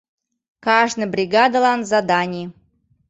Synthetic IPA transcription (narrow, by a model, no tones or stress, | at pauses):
kaʐnɨjbɾʲɪɡad̪əlˠanzad̪anʲɪj